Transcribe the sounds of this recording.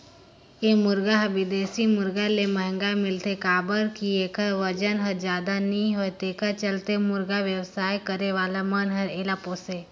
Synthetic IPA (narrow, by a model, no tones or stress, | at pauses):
emʊɾɡaɦəʋɪd̪eːsimʊɾɡaleməɦə̃ŋɡamɪlt̪ekaːbəɾkieːkəʋəd͡ʒənɦəɾd͡ʒjaːd̪anĩɦot̪eːkət͡ʃəlt̪emʊɾɡaʋjəwsaːjkəɾeʋaːlamənɦəɾeːlapoːse